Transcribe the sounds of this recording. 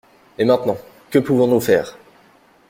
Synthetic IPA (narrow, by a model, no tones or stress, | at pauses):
emɛ̃t̪nɑ̃ | kəpuvɔ̃nufɛːʁ